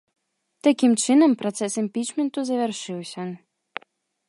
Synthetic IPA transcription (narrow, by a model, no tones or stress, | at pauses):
t̪akʲimt͡ʃɨnəmpɾɔt̪sɛsimʲpʲit͡ɕmʲent̪uzɐvʲɛrʂɨwsʲə